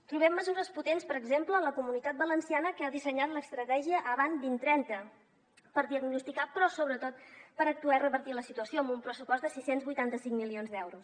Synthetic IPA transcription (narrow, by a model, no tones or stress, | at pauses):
t̪ɾuβɛmːəzuɾəsput̪enspəɾəɡzempləːləkumunit̪at̪̚bələnsianəkəaðisəɲat̪ləst̪ɾət̪ɛʒiəʔːβ̞anzd̪int̪ɾɛnt̪ə | pəɾðiəɡnust̪ikapɾɔsoβɾət̪ot̪̚pəɾək̚t̪uairəβəɾt̪iləsit̪uəsioəmbumpɾəsupɔzd̪əsisenzβujt̪ant̪əsiŋmilionzd̪ɛwɾus